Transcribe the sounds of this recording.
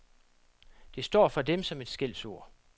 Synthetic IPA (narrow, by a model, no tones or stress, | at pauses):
d̥e̝sd̥ɒ̰ːfɒ̽d̥emsɒ̽me̝d̥sɡ̥el̰so̝ɐ̰